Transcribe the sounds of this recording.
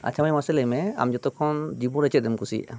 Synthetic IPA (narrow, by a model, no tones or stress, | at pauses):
a̰t͡ʃʰamajmasɛlɛjmɛa̰md͡ʒɔt̪ɔkʰɔnd͡ʒibɔɾɛt͡ʃɛt̪̚dɛmkusḭ